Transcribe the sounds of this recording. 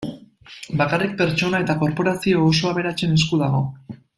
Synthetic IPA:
bakarik̚pe̞ɾt͡ʃo̞nae̞t̪ako̞ɾpo̞ɾasio̞ːs̬o̞aβ̞e̞ɾat͡se̞ne̞skuð̞aɣ̞o̞

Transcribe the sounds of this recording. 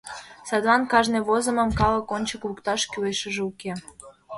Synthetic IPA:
sɑd̪βɑnkɑʒneβozə̆mə̆mkɑlə̆konʲt͡ɕəklukt̪ɑʃkyeʃə̆ʒeuke

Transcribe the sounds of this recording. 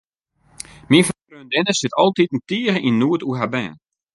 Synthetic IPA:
minfɔnkrøəndɪnəsɪtʰɔlˠtitn̩tiərəʔinːuətuɦabɛ̰ːn

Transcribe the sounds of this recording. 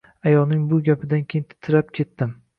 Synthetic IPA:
ajɒlˠnɪŋbʊɡʲapʰɪd̪ankʲʰejɪnt̪ʰɪ̥t̪ʰːɪɾapkʲʰe̞t̪ːɪm

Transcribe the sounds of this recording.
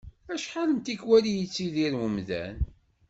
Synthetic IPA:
æʃħaləmt̪ikwælijət͡sːiðiɾwəmðæ̰n

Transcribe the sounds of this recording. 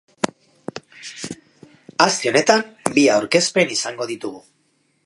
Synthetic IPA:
ast̪eo̞ne̞t̪ambiawɾke̞spe̞nisaŋɡo̞ð̞it̪uɣu

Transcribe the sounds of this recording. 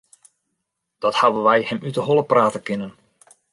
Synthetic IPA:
d̥ɔthaʋəʋɛjhɛmytəɦɔlˠəpraːtəkɪnən

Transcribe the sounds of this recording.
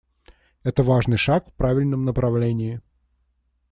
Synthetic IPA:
ɛt̪əvaʐnɨjʂakfpɾavʲɪlʲnəmnəpɾɐvlʲenʲɪɪ

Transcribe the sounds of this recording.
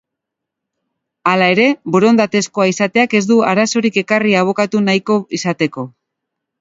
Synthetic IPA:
alae̞ɾe̞boɾo̞nd̪at̪e̞sko̞aisat̪e̞ake̞zd̪uaɾaso̞ɾike̞kariaβ̞o̞kat̪unajko̞isat̪e̞ko̞

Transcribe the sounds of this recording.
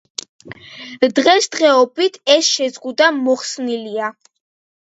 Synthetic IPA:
d̪ʁɛsd̪̥ʁɛɔbit̪ʰɛsʃɛzʁud̪amɔχsnilia

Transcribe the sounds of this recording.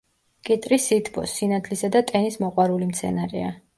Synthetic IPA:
kʼit̪ʼɾisit̪ʰbɔ̰sːinat̪ʰlisad̪at̪ʼɛnismɔqʼwaɾulimt̪sʰɛ̰naɾḭa

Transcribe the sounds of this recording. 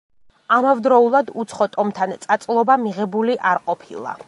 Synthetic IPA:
amavd̪ɾɔulˠad̪ut̪sʰχɔt̪ʼɔmt̪ʰant̪sʼat̪sʼlˠɔbamiʁɛbuliʔaɾqʼɔpʰḭlˠa̰

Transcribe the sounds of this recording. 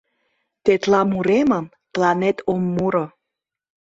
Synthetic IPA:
t̪et̪lɑmuɾeməm | plɑnet̪ʰomːuɾə

